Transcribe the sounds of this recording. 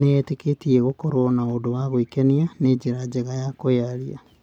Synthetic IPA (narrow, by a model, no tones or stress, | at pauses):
neɛteketiɛɣokoɾonaodowaɣoikɛnianed͡ʑeɾad͡ʑeɣajakojaɾia̰